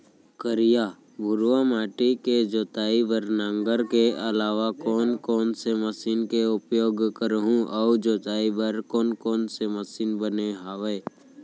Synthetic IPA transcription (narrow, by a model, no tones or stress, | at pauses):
kəɾɪja | bʱʊɾwamaːʈiked͡ʒoːt̪aːibəɾnãːŋɡəɾkeəlaːʋakɔːnkɔːnseməsiːnkeʊpjoːɡkəɾɦũʔaʊd͡ʒoːt̪aːibəɾkɔːnkɔːnseməsiːnbəneɦaːʋeː